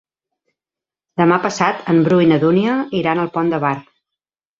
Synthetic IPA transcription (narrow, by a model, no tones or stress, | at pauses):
d̪əmapəsat̪ʰəmbɾuinəðuniəiɾanəlˠpɔnd̪əβar